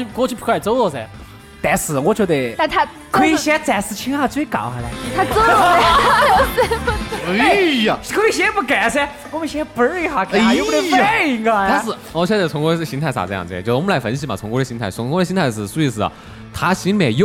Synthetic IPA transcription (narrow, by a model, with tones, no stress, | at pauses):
y˥˧kwɔ˥˧t͡ɕʰy˥pʰkʰo˥ʊɔ˥˩sɛ˧˩ | t̪ɛ˧˩sɹ̩˨˩wɔ˨˩t͡ɕɥɛ˧˥d̪e˥˧˩a˥˧t̪ʰ | kʰɤ˧˥i˧ɕɛ˥t͡sɛ˧˩sɹ̩˧˩t͡ɕʰi˧˥ŋxa˥˧˩t͡swe˥˩ɪkɑ̰˨˩˦ʊxa˧˥lə˧t̪ʰa˥t͡s̩˥˧˥ | kʰo˧˥i˧ɕjɛ˥pu˥˩ka˨˩sɛ˧ | ɔ˧˥mə˧˩ɕɛ˥pə˧˥ɻ̩˥i˧˩xa˨˧˩kjpfa˥i˧˥ŋa˧a˥˧ʂ̩˥˩wɔ˨˩t͡ɕʰɥɛ˧˥d̪ə˧˩t͡sʰʊ˧˥ŋkwɔ˧˥˩ɕi˧˥ŋt̪ʰa˥˧ɪsa̰˨˩ɤ˧jɑ̰˥˧˩t͡so˥˧˩wɔ˧˥m˦la˧˥ɪfə˧˥nɕ̬i˧˥ma˨˩t͡sʰʊ˧ŋkwɔ˧˥də˧˩ɕi˧˥ŋt̪ʰa˥˩ɪt͡sʰʊ˧˥ŋkdə˧˩ɕi˥t̪ʰa˥˧ɪʂ̬ɻ̩˥˩ʂu˧˥i˧˩sɹ̩˧˩ɐ̰˨˩ | t̪ʰa˥ɕi˧˥nme˨˩j